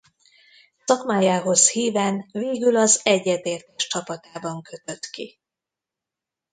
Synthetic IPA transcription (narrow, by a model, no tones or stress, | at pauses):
sɒkmaːjaːɦo̞shiːvɛːnveːɡylɒzɛɟːɛt̪eːrt̪ɛʃt͡ʃɒpɒt̪aːbɒŋkø̞t̪ø̞t̪ki